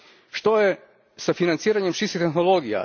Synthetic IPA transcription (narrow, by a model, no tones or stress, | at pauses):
ʃt̪oje | safinant̪siːɾaɲemʃisit̪exnolˠoɡija̰